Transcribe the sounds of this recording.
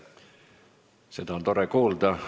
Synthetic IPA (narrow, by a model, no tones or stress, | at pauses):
set̪æont̪oɾekuːld̪ɑ